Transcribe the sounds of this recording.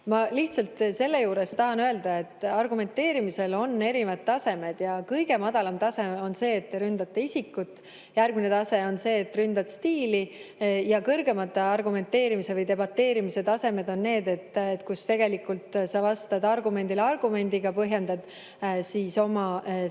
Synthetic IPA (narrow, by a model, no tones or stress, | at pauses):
mɑliht̪sɑlt̪se̞lːe̞juːɾe̞st̪ɑɦɑnøe̞ld̪̥ɑe̞t̪ːɑrɡume̞nt̪ːe̞ːɾimise̞lo̞nːe̞ɾivɑd̪̚t̪ːɑse̞me̞d̪̥jɑkɤjɡ̥e̞mɑd̪̥ɑlɑmt̪ɑse̞o̞nse̞ːt̪ːeɾynd̪̥ɑt̪ːeisikːˑut̪ˑː | jærɡ̥̚mine̞t̪ɑse̞o̞nse̞ːt̪ːˑrynd̪̥ɑd̪̥st̪iːlijɑkɤrɡe̞mɑt̪ːɑrɡume̞nt̪ːe̞ːɾimisevɤjt̪e̞bɑt̪ːe̞ːɾimiset̪ɑse̞me̞d̪o̞nːe̞ːd̪e̞t̪ːet̪kust̪e̞ɡ̥e̞likːˑult̪sɑvɑst̪ɑd̪ɑrɡume̞nd̪̥ilɑrɡ̥ume̞nʲd̪̥iɡɑpɤɦjend̪̥ɑd̪̥ | siːso̞mɑ